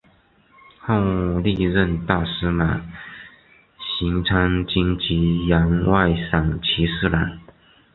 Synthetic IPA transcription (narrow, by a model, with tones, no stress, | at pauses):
ho˥˧ŋli˥˧ɻə˥˧nt̪a˥˩sɹ̩˥ma˨˩ | ɕi˧˥ŋt͡sʰa˥ŋt͡ɕi˥ŋt͡ɕi˧˥jɑ˧˥ŋwa˥˩ɪsɑ˨˩ŋt͡ɕʰi˧˥sɹ̩˥˩la˧˥˦n